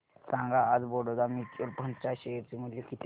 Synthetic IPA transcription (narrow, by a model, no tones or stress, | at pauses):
sãŋɡaːd͡zboɽod̪amiʈolpənt͡ɕaɕeeɾt͡ɕeməljekit̪